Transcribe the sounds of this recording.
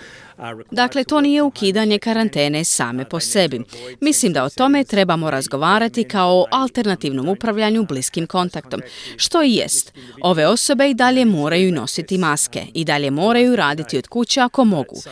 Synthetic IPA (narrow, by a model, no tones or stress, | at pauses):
d̪akle̞t̪o̞ːniːje̞ukiːd̪aɲe̞kaɾant̪e̞ːne̞sa̰ːme̞po̞se̞bimislimd̪aot̪o̞me̞t̪ɾe̞bamo̞ɾazɡo̞ʋaːɾat̪ikaoʔalˠt̪e̞ɾnat̪iːʋno̞mupɾaʋʎaɲubliskimko̞nt̪akt̪o̞̰mʃt̪o̞ijḛst̪o̞ʋe̞o̞so̞be̞id̪aʎe̞mo̞ːɾajuno̞sit̪imaske̞̰id̪aʎe̞mo̞ːɾajuɾaːd̪it̪io̞d̪̥kut͡ɕeako̞mo̞ɡṵ